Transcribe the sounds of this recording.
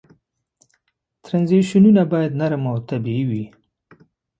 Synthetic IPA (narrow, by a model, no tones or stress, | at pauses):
t̪ɾanziʃununabɑjad̪naɾəmawt̪abiiwi